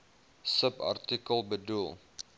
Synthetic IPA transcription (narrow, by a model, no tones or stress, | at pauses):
səpa̰rtikəlˠbədulˠ